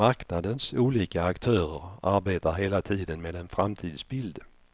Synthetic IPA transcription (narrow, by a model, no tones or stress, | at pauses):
aɾknad̪ənsuːliːkaːkt̪ʰœːɾəɾaɾbeːt̪aɾɦeːlat̪ʰiːd̪ənmeːd̪ɛnfɾamt̪ʰiːd̪sbɪld̪